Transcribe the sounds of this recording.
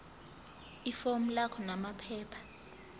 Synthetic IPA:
ifom̩lakʰɔnamapʰɛːpʰḁ

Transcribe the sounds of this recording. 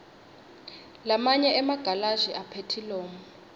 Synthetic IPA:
lamaɲɛɛmaɡ̥ʱalaʒiʔapʰetʰilɔːmɔ

